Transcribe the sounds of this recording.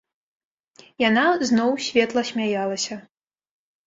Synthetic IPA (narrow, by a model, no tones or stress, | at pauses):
janaznɔwsʲvʲɛt̪lˠɐsʲmʲajalˠɐsʲɐ